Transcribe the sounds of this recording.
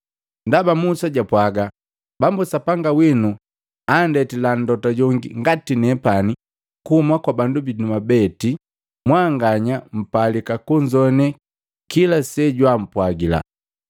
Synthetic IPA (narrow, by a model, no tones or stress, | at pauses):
ndabamusaɟapwaɡa | bambusapaŋɡawinu | andɛtilan̩dɔtaɟɔŋɡḭŋɡatinɛpani | kuhumakwabandubinumabɛti | mwaŋɡaɲam̩palikakuɲd͡ʒɔnɛ | kilasɛɟwam̩pwaɡila̰